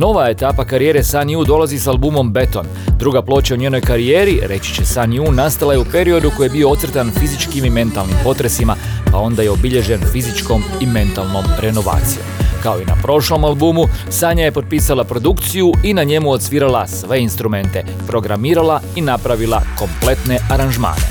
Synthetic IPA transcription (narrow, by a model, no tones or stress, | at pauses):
no̞ʋae̞t̪apakaɾije̞ɾe̞sanjud̪o̞lˠazisalbuːmo̞mbe̞t̪o̞̰n | d̪ɾuɡaplˠo̞ːt͡ɕauɲe̞ːno̞jkaɾie̞ːɾiɾe̞t͡ɕi̥t͡ɕe̞sanjunast̪alajeupe̞ɾio̞d̪uko̞jebioo̞t̪sɾt̪anfizit͡ʃkimime̞nt̪alˠnimpo̞t̪ɾe̞sima | pao̞nd̪aje̞o̞biʎe̞ʒe̞nfizit͡ʃko̞mime̞nt̪alˠno̞mɾe̞no̞ʋa̰ːt̪sijo̞mkao̞ina̰pɾo̞ʃlo̞malˠbumusaːɲaje̞po̞d̪̚piːsalapɾo̞d̪ukt̪sijuinaɲe̞muo̞t̪sʋiːɾalasʋe̞inst̪ɾume̞nt̪e̞ | pɾo̞ɡɾamiːɾalainapɾaʋilˠa̰ko̞mple̞t̪ne̞ʔaɾanʒma̰ːne̞